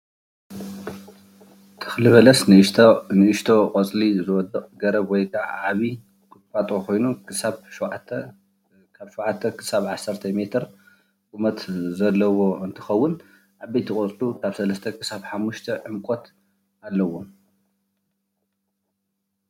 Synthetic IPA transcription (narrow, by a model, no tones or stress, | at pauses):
t̪ʰɨ̥xlɨβɐlɐsnɨnɨʔɨʃt̪ʰo̞qʼɐt͡sʼlizɨwɔd̪ɐʔʼɡɐɾɐβwɔjkʰaʕʕaβi | kɨt̪fʼat̪ʼokʰo̞jnuɨsaβʃ | kʰaβʃuwʕat̪ʰːɐkʰɨ̥saβʕasːɐɾt̪ʰɐme̞t̪ʰɨɾ | kʼumɐt̪zɐlːɐwo̞ɨnt̪ʰɨ̥xɐwːʊn | ʔaβɐjt̪ʰikʼot͡sʼlukʰaβsɐlɐst̪ʰɐkʰɨ̥saβħamːuʃt̪ʰɐʕɨmkʼo̞t̪ | alːɐwo